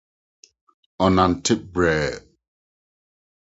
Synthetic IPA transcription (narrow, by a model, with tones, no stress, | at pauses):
ɔ˨na˨ntʰɪ˦p̚bɹɛːd